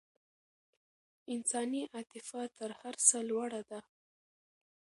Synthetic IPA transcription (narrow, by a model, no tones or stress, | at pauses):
ɪnsɑniʔat̪ɪfat̪əɾhaɾsəlwaɽad̪a